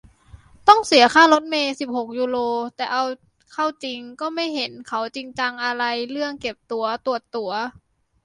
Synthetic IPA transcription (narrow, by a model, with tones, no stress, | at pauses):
t̪ɔ˥˩ŋsi˨˩˦ɐkʰaː˥˩lo˧˦˥t̪̚meː˧si˨˩p̚ho˨˩k̚juː˧loː˧t̪ɛː˨˩ʔa˧w | kʰa˥˩wt͡ɕi˧ŋkɔː˥˩ma˥˩jɦe˩˦nkʰa˨˦wt͡ɕi˧ŋt͡ɕa˧ŋʔa˧ɾa˧jlɯ˥˩əŋke˨˩p̚t̪u˧ɐt̪u˨˩ət̪ːu˧˩˦ɐ